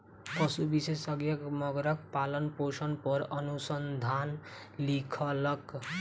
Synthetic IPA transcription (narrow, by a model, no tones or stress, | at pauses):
kʌsubisesʌɡjʌkmʌɡɾʌk̚palʌnposʌnpʌɾʌnusʌnd̪ʱan | likʰʌlʌk